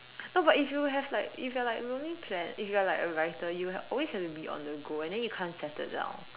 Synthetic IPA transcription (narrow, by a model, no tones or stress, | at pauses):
noʊbatifjuɦɛvlaɪkifjalaɪklõnĩŋpʰlɛ̃nifjualaɪkəɹaɪtəjuɛɔlweshɛftubiʔɔ̰̃ndəɡoɛ̃ndɛ̃njukʰãnsɛtɪ̰t̚dã̰ʊ̃n